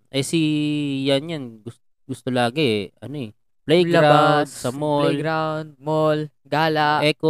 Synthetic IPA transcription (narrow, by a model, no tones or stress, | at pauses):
ʔɛsijanjanɡʊst̪oɡʊst̪olaːɡɛʔɐ̰noɛ | plɛjɡɐɾawd̪sɐmolɡɾawnd̪̚mol | ɡaːlaʔʔɛko